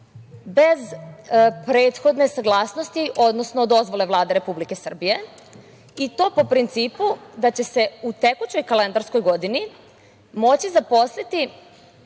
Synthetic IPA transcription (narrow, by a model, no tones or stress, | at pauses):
be̞z | pɾe̞ːt̪xo̞d̪ne̞saɡlˠaːsnost̪iʔo̞d̪nosnod̪o̞zʋo̞le̞ʋlˠaːd̪e̞ɾe̞publike̞sr̩bije̞ | it̪o̞ːpo̞pɾint̪siːpud̪at͡ɕe̞se̞ut̪e̞kut͡ɕo̞jkale̞nd̪aɾsko̞jɡo̞d̪ini | mo̞t͡ɕizapo̞slit̪i